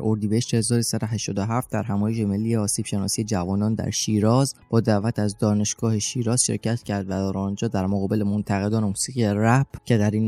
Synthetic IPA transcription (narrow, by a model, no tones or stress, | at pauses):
ɾoɾd̪ibeheʃt̪ehe̞zɒːɾsæd̪oɦæʃt̪ɒːd̪oɦæft̪̚d̪æɾɦæmɒːjeʃ̬e̞me̞lːiːeɒːsiːb̥ʃe̞nɒːsiːe̞d͡ʒævɒːnɒːnd̪æ̰ɾʃiːɾɒːzb̥ɒːd̪æʔvæt̪ʰæzd̪ɒːne̞ʃɡ̥ɒːheʃiːɾɒːz̥ʃḛɾcʰæt̪cʰæɾd̪væd̪æɾɒːnd͡ʒɒːd̪æɾmoɣɒːbe̞le̞mont̪ʰæɣe̞d̪ɒːnemuːsiːɣijeræb̥cʰe̞d̪æɾiːn